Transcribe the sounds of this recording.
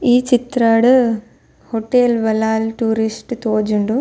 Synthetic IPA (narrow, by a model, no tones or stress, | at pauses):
iːt͡ʃit̪ɾaːɽu | hoʈːeːlʋɐlaːlʈuːɾisʈt̪oːd͡ʒuɳɖu